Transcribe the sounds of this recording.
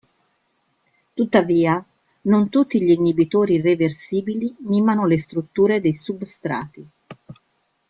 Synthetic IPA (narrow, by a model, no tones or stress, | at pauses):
t̪ut̪ːaviːa | nont̪ut̪ːiʎiːnːibit̪oːɾireversiːbiliniːmanolest̪ɾut̪ːuːɾed̪ejsubst̪ɾa̰ːt̪i